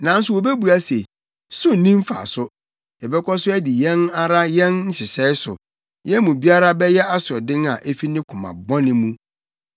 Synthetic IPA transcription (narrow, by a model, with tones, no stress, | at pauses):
nã˨˦n˦sʊ˨wo˨be˦bu˨a˦se˨ | sʊ˦˨nĩ˦m˦fa̰˨sʊ˦ | ɛ˨bɛ˦kʰɔ˦sʊ˦æ˦di˨jɛ̃˦na˦ɾa˦jɛ̃˦nn̩˦ɕɪ˨sɛ˦ɪ˦sʊ̰˨ | jɛ˦mũ˨bi˦a˦ɾa˦bɛ˦jɛ˦a˦sʊ˨ɔ˨dɪ̃˦ŋa̰˨ʔæ˦fi˦nɪ̃˦kʰʊ̃˨mã̰˨bɔ̃˦nɪ̃˦mũ˦